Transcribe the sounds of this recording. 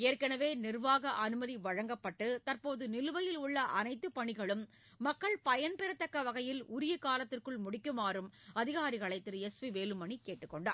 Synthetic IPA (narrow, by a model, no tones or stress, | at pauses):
eːɾkɐnɐʋeːnɪrʋaːɣɐʔɐnɯmɐðiʋɐɻɐŋɡɐpːɐʈːɯt̪ɐrpoːðɯnɪlɯʋɐjɪlʊɭːɐʔɐnɐɪt̪ːɯpɐɳɪɣɐɭɯmː | ɐkːɐɭpɐjɐnpɛɾɐt̪ːɐkːɐʋɐɣɐjɪlʊɾɪjɐkaːlɐt̪ːɪrkɯɭmʊɽɪkːɯmaːrɯmɐðɪɣaːɾɪɣɐɭɐɪt̪ːɪɾɯɛsʋiʋeːlɯmɐɳikeːʈːɯkːɔɳɖa̰ːɾ